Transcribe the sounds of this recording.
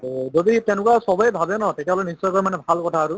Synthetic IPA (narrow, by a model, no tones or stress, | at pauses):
zoditɛnʊkwasɔbɔjbʱabɛnɔtekɛɦɔlɔjnisːɔjkɔɹɛmanɛbʱalkɔtʰaːɹʊ